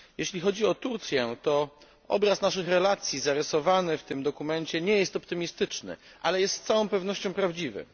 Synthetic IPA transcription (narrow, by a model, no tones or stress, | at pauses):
jɛɕlʲixɔd͡ʑiɔt̪uɾt̪sʲjɛt̪ɔ | ɔ̰bɾasnaʂɘxɾɛlat̪sʲjizaɾɛsɔvanɘft̪ɘmd̪ɔkumɛɲt͡ɕɛɲɛjɛst̪ɔpt̪ɘmʲist̪ɘt͡ʂnɘ̰ | ʔa̰lɛjɛst̪t̪sawɔ̃w̃pɛvn̪ɔɕt͡ɕɔ̃w̃pɾavd͡ʑivɘ̰